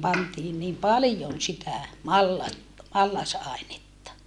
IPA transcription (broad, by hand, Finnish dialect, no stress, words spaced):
pɑntiːn niːm pɑlĭjon sitæ mɑlːɑt mɑlːɑsɑˑenetːɑ